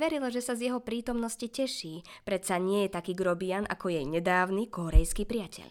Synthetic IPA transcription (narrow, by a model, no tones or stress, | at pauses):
ʋɛɾilaʒɛsazjɛɦɔpɾiːt̪ɔmnɔscicɛʃiːpɾɛt̪saɲɪɛjɛt̪akiːɡɾɔbianʔa̰kɔjɛjɲɛd̪aːʊnikɔɾɛjskipɾɪacʰɛ̰ʎ